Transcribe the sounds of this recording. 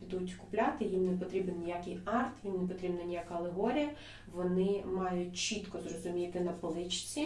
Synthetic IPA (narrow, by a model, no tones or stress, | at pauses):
pʲid̪utʲkʊplʲat̪ɪjimnɛpɔt̪ɾʲibɪnnʲijakɪjɑrt̪jimnepɔt̪ɾʲibnɐnʲijakɐɐlˠeɦɔɾʲijɐ | ʋɔnɪmɑjʊtʲt͡ʃit̪kɔzrɔzʊmʲit̪ɪnɐplˠɪt͡ʃt͡sʲi